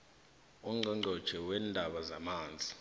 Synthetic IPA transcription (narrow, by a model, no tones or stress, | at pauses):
ɔŋ͡ǃʱɔŋ͡ǃɔd̥ʒ̥ʱɛwɛːndʱaɓazamaːnd͡zʱi